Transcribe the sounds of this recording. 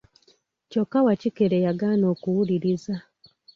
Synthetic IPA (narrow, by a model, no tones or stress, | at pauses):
cokːawacikeɾejaɡaːno̞ːkuwuliɾiza